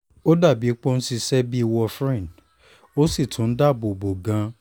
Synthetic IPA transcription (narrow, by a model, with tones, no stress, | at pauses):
o˦da˦˨bi˨˦k͡po˦n̩˦si˧sɛ˦bi˦i˧wɔ˧fɾɛ̃˦˨d | o˦si˦˨tʰũ˨˦n̩˦da˦˨bo˨bo˨ɡã˧˦